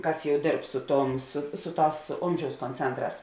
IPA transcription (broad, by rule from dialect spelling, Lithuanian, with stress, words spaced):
ˈkɐs ˈjɛʊ ˈdʲeːrp ˈsʊ ˌtuɔm sʊ ˈsʊ ˌtɑːs ˈoːmʲʒʲɛʊs koːnʲˈt͡sʲɛntˌrɑːs